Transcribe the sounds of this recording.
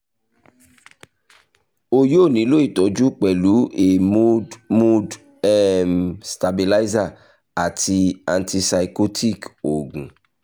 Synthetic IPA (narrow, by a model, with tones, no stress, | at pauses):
o˨jo˦˨nĩ˨˦lo˦i˦˨tɔ˨˦d͡ʒu˦k͡pɛ˨lu˨˦e˨mu˦dmu˦d | ɛ˦˨msta˨bi˨la˦i˦za˦˨ | a˨ti˧a˨nti˧sa˨i˨ko˦tʰi˦˨ko˨ɡũ˨